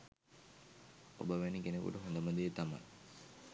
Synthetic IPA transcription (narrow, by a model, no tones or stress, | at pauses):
o̰bəʋænikenekṵʈəɦond̪əməd̪ejːt̪ama̰j